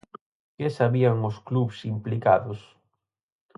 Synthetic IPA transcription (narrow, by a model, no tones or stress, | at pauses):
kesaβiaŋʊskluβsimplikaðʊs